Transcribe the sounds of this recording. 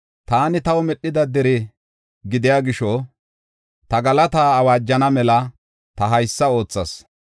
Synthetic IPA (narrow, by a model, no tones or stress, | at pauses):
t̪aːnɪt̪ɐwmɛɗːɪd̪ɐd̪ɛɾɪ | ɡɪd̪ɪjaːɡɪʃɔ | t̪ɐɡɐlɐt̪aːɐwaːd͡ʒːɐnɐmɛlɐ | t̪ɐɦɐjsːɐo̞ːt͡sːɐs